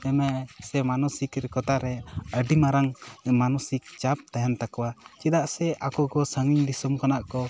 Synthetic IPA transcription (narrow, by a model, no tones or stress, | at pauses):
ɛmɛʔsɛmanɔsikɾɛkɔt̪aɾɛəɖimaɾaŋmanusik̚t͡ʃap̚t̪ajant̪akɔwat͡ʃid̪aʔsɛʔakɔɡɔsaŋiɲd̪isumkanaʔkɔ